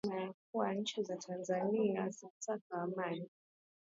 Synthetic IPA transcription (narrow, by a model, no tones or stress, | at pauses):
majak̚uwanɲ̩t͡ʃizatʰanzaniazasakaːmani